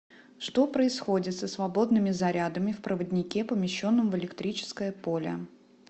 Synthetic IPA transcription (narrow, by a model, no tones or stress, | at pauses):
ʂt̪o̞pɾəɪsxo̞dʲɪt̪səsvɐbo̞d̪nɨmʲɪzɐɾʲad̪əmʲɪfpɾəvədʲnʲɪkʲepəmʲɪɕːo̞nːəmvɨlʲɪkt̪ɾʲit͡ɕɪ̥skəjəpo̞lʲə̰